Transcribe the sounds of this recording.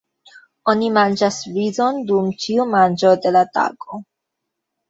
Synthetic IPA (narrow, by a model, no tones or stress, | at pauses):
o̞nimand͡ʒasvizo̞ndumt͡ʃiumand͡ʒo̞de̞lata̰ɡo̞